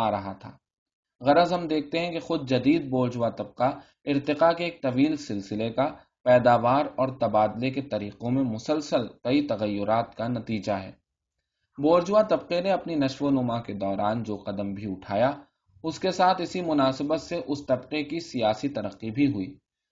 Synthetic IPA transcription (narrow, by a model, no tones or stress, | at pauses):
aːɾɐɦat̪ʰa̰ː | ɣɐɾəzɦɐmd̪eːk̚ʰt̪eɦɛ̃kexʊd̪̚ʱd͡ʒɐd̪iːd̪̚boːɾd͡ʒwat̪ɐb̚qa | ɪɾt̪ɪqakeeːk̚t̪ɐʋiːlsɪlsɪleka | pɛːd̪aːʋaːɾɔːɾt̪ɐbaːd̪leket̪ɐɾiːqõmẽmʊsəlsəlkɐit̪ɐɣəjːʊɾaːt̪kanɐt̪iːd͡ʒaɦɛ̰ː | boːɾd͡ʒʊʋat̪ɐb̚qeneɐpninɐʃʋonʊmaked̪ɔːɾaːnd͡ʒoːqɐd̪əmbʱiʊʈʰaːja | ʊskesaːt̪ʰɪsimʊnaːsɪbət̪seʔʊst̪ɐbqekisijaːsit̪ɐɾəqːibʱiɦʊiː